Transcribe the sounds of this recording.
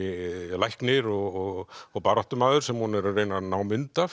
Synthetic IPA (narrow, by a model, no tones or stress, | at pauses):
ɪlajhknɪɾɔɣɔɣɔɣpaːɾɔht̪ʏmaːðʏɾ̥sɛmhunɛɾrːejnanaːwmɪnt̪af